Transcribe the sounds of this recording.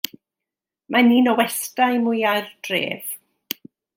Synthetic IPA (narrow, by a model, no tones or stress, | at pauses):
mʔaniːnɔwɛstajmʊjajrdrḛːv̥